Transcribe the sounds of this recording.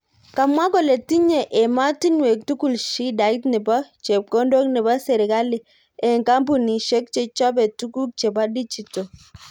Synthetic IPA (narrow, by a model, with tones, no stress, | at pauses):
ka˨mwa˦ɡo˨le˨ti˦ɲe˨ʔe˨ma˦ti˦nwe˨k̚tu˦ku˦˨lʃi˦da˨i˦tnɪ˨ba˦t͡ʃe˨p̚ko˦ndo˦knɪ˨ba˦sɛ˨ɾɪ˨ɡa˦lɪ˨ | ɛ˨ŋka˦mpu˨ni˨ʃe˦k̚t͡ʃe˨t͡ʃɔ˦bɛ˨tu˦ku˦k̚t͡ʃe˨ba˦di˦d͡ʒi˨to˨